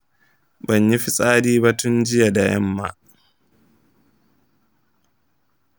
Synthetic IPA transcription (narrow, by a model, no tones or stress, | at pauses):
baɲjifisʼaːdiːbatʰund͡ʒijadajɛ̰mːa̰